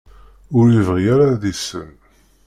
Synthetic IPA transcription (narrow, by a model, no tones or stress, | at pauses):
ʊɾjivʁijaɾaðisə̰n